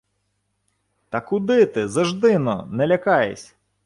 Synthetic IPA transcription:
t̪ɐkʊd̪ɪt̪ɪzɐʒd̪ɪnɔ̰nɛlʲɐkɑjḛsʲ

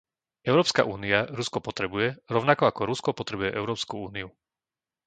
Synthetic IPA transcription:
ɛʊɾɔːpska̰ʔuːniaɾuskɔpɔt̪ɾɛbujɛɾɔʊnakɔakɔɾuskɔpɔt̪ɾɛbujɛʔɛʊɾɔːpskuuːniu

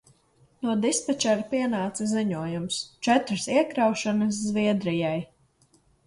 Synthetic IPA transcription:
nuɔd̪ispɛt͡ʃɛɾpiɛnaːt̪siziɲuɔjumst͡ʃɛt̪ɾsiɛkɾawʃanɐs̬zviɛd̪ɾijaj

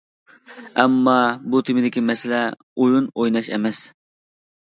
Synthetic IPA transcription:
ɛmːɑbut̪ʰɪmɪd̪ɪkʲimɛsɪlɛ | ojunojnɑʃɛ̰mɛs

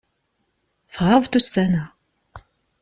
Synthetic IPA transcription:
θʁɑvt̪usæna

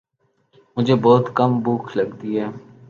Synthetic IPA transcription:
mʊd͡ʒʱeːbɔːt̪kəmbuːkʰləɡt̪iːɦɛː

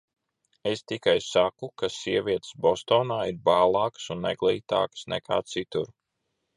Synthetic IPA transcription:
est̪ikajsakukasiɛvʲiɛt̪sbɔst̪ɔːnaːiɾbaːlˠɑːksunːɛ̰ɡlˠiːt̪a̰ːkə̥snɛ̰kʰa̰ːt̪sit̪uɾ

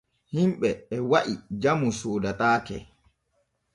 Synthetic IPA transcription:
himɓɛːwaʔid͡ʒamusoːdataːkɛ̰

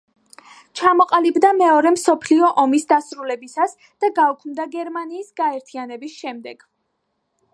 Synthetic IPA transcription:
t͡ʃʰamɔqʼalibd̪amɛɔɾɛmsɔpʰliɔʔɔmisd̪asɾulɛbisas | d̪̥aɡaukʰmd̪aɡɛɾmaniːsɡaɛɾt̪ʰianɛbisʃɛmd̪ɛɡ̥

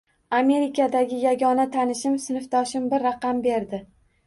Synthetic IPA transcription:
ame̞ɾɪkʲʰad̪aɡʲɪjaɡʲɒnat̪ʰanɪʃɪmsɪnɪft̪ʰɒʃɪmbɪɾːaqʰɑmbe̞ɾd̪ɪ

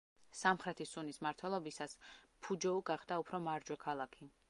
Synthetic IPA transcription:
samχɾɛt̪ʰisunismaɾt̪ʰwɛlˠɔbisaspʰud͡ʒɔuɡaχd̪aupʰɾɔmaɾd͡ʒwɛkʰalˠakʰi

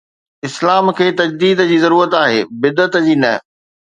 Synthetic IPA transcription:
ɪslaːmkʰeːt̪ɐd͡ʑd̪iːd̪d͡ʑiːzɐɾuːɾət̪aːɦeːbɪd̪ət̪d͡ʑiːnɐ

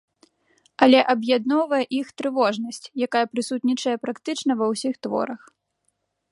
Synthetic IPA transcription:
ɐlʲɛʔɐbjad̪nɔwvɐjɛʔixt̪ɾɨvɔʐnɐsʲt͡sʲjakajɐpɾɨsut̪ʲnʲit͡ʂɐjɛpɾakt̪ɨt͡ʂnɐvɐwsʲixt̪vɔ̰ɾɐx

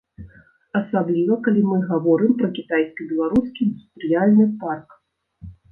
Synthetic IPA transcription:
ɐsablʲivɐkalʲimɨɣavɔɾɨmpɾɐkʲit̪ajskʲibʲɛlˠaɾuskʲind̪ust̪ɾɨjalʲnɨpark

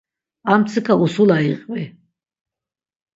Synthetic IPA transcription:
amt̪sʰɨkʰausulaiqʼvi

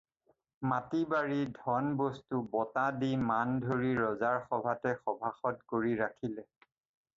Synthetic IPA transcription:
matibaɹidʱɔnbostubɔtadimandʱoɹiɹɔzaɹxɔbʱatɛxɔbʱaxɔtkoɹiɹakʰilɛ

